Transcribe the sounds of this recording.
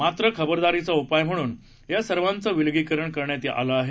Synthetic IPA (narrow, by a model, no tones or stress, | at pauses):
mat̪ɾəkʰəbəɾd̪aɾit͡saupajm̤əɽ̃uːn | jasəɾʋant͡səːʋilɡikəɾəɳkəɾɳjat̪iʔa̰ləaɦe